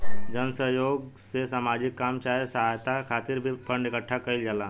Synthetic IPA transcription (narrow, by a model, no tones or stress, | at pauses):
d͡ʒənsəɦjoɡsesaːmad͡ʑikːamt͡ʃajsəɦajt̪akʰat̪iɾbʱipʰəɳɖekəʈʰːakəild͡ʒala